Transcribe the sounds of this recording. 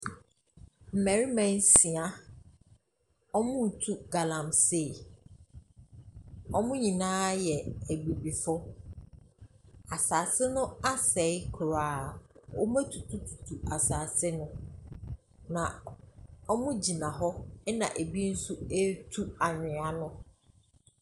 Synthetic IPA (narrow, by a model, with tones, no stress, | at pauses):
m̩˨mæ˨ɾi˦mɛ̃˦n˦si˨a˦ | ɔ˦mʊ̃˦˨tʰu˦ɡa˨lã˨mse˦˨ | ɔ˦mʊ̃˦ɲĩ˨nãː˦jɛ˨æ˨ɡ͡bi˨bi˨fʊ˦ | a˨saː˨sɪ˦nʊ̃˦a˦sɛ˨˦ɪ˦kʰʊ˨ɾaː˨wɔ˦mæ̃˦tʰu˨tʰu˦tʰu˨tʰu˨a˨saː˨sɪ˦nʊ̃˦ | nã˨ | ɔ˦mʊ̃˦d͡ʑi˨nã˨ɦɔ˦ɛ˦nã̰˨ʔæ˨bi˦n̩˦su˦e˦tʰu˦a˨nɪ̃˨a˨nʊ̃˦